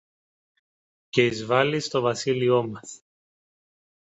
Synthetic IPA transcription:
ce̞izvɐlist̪o̞vɐsilio̞mɐs

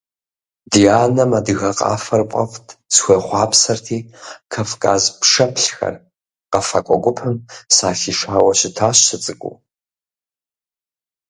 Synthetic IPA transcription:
diaːnɐmadɨɣɐqʼɑ̰ːfɐrpʷʼɐvtʰʼsxʷɐχʷɑːpʰsɐrtʰiːkʰafkʼa̰zpʰʂɐpʰɬxɐ̰r | qɐfɐkʷʼɔɡʷʼʊpʰɨmsaːɬiːʂaːwɐɕɪtʰaːɕɨt͡sʼɨkʷʼṵ

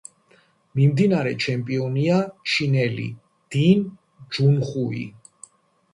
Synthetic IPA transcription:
mimd̪inaɾɛt͡ʃʰɛmpʼiɔniat͡ʃʰinɛlḭ | d̪̥in | d͡ʒunχuḭ

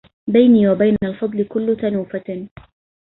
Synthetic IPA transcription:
bajniːwabajnalfɑd̪ˤlɪkʊlːʊt̪anuːfa

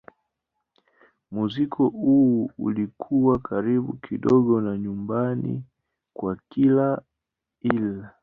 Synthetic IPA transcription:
muzikʰɔuṵlikʰuwakʰaɾiɓṵkʰiɗɔɡɔnaɲumbanḭ | kwakila | ila

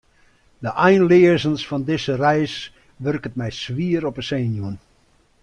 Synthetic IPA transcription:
dəʔɛjnlɪəzənsfɔndɪsərɛjs | ʋørkət̚mɛjsʋiəɾɔpəseːnjun

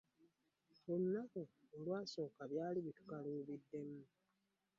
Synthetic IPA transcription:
omunakoː | lwaːso̞ːkaβjaːliβitu̥kaluːβidːe̞mu

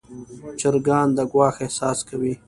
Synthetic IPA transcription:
t͡ʃɪɾɡɑːnd̪əɡwɑːxehsɑskawi

